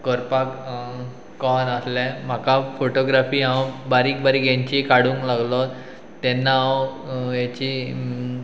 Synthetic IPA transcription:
kəɾpak | kɔnaslɛ̃m̤akafoʈoɡɾafiːɦãwbaɾiːk̚baɾiɡɛɲt͡ɕikaɽuːŋklaɡlɔ | t̪ɛnːaɦãjet͡ɕi

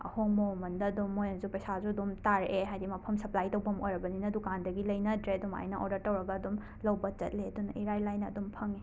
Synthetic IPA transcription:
ɐ̰hoŋmomɐndɐːdumːojanzupɐsazuɐdumtaɾʔeɦajdimɐpʰɐmsɐplajtɐwbɐmojɾɐbɐninɐdukandɐɡilɐjnɐdɾeduma̰jnɐʔɔdɐɾtɐwɾɐɡɐːdum | lɐwbɐt͡ʃɐ̰t̚ledunʔiɾajlajnɐ̰ːdumpʰɐŋe

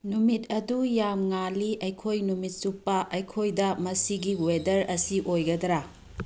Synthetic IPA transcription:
numit̚ɐdujamŋaliʔɐjkʰojnumit̚supːɐʔɐjkʰojdɐmɐsiɡiwedɐɾɐsiʔojɡɐdɐɾa

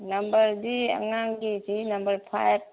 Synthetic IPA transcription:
nɐmbəɾdiɐ̰ŋaŋɡid͡ʒinɐmbəɾpʰajb̚

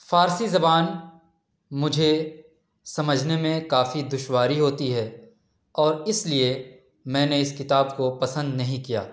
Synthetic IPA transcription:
faːɾsizɐbaːn | mʊd͡ʒʱe | sɐməd͡ʒʱnemẽkaːfid̪ʊʃwaːɾiɦoːt̪iɦɛː | ɔːɾɪslie | mɛ̃ːneɪskɪt̪aːbkopɐsə̃nd̪nɐɦĩkija̰ː

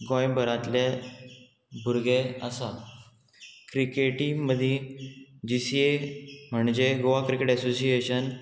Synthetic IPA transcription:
ɡɔ̃jbʱəɾat̪lje | bʱuɾɡeəsa | kɾikeʈĩməd̪ʱjed͡ʑisiem̤əɳd͡ʑeɡoʋakɾikeʈɛsosieɕən

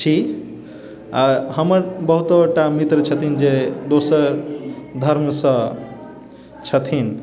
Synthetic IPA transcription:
t͡ʃʰi | aɦəməɾbəɦut̪oʈamit̪ɾət͡ʃʰət̪ʰind͡ʒed̪osəɾd̪ʱəɾmsə̃ | t͡ʃʰət̪ʰin

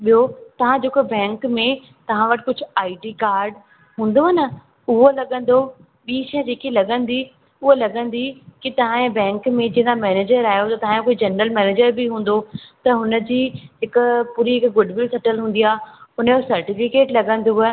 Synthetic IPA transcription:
ɓijot̪ɐʋ̤ãd͡ʑoːkobɛ̃ːŋkmẽ | t̪ɐʋ̤ãʋɐʈɪ̥kʊd͡ʑʱʊ̆aːiʈikaːɾɖ | ɦũːn̆d̪oɦɐnə | ʊɦolɐɠə̃n̆d̪o | ɓiːʃɐ̃d͡ʑeːkilɐɠə̃nd̪i | ʊɦolɐɡə̃nd̪ikit̪ɐʋ̤ãẽbɛ̃ːŋkmẽd͡ʑeɦnd̪amɛːneːd͡ʑəɾaːɦjot̪ɐt̪ɐʋ̤ãjõkoːid͡ʑɐnɾəlmɛːneːd͡ʑəɾbiɦũːn̆d̪ot̪ɐɦʊnəd͡ʑiːɦɪkpuːɾiɦɪkɡʊɖʋɪlsɐʈəlɦũːn̆d̪iaːʊnəjosɐɾʈifɪkeːʈlɐɠə̃nd̪uɛ

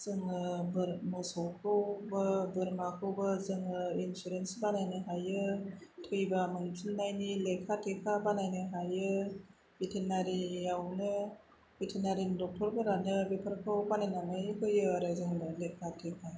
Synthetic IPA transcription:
z̥ɯŋɯbɯɾmɔsɔwkʰɯwbɯbɯɾmakʰɯwbɯzɯŋɯinsuɾensbanajnɯɦajɯtʰɯjbamɯnipʰunːajnilekʰatʰekʰabanajnɯɦajɯ | bitʰenaɾijawnɯ | bitʰenaɾindɔk̚tʰɔɾbɯɾanɯbipʰɯɾkʰɯwbanajnamɯjkʰɯjɯaɾɯzɯŋnɯlekʰatʰekʰa

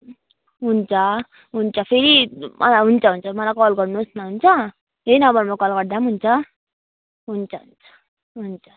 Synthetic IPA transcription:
ɦunt͡sʰʌ | ɦunt͡sʰʌpʰeɾimʔʌ̰laɦunt͡sʰʌɦunt͡sʰʌmʌlakʌlɡʌrnusnʌɦunt͡sʰʌ | ɦenʌbʱʌnmʌkʌlɡʌrd̪amɦunt͡sʰʌ | ɦunt͡sʰʌɦunt͡sʌ̥ | ɦunt͡sʰʌ̥

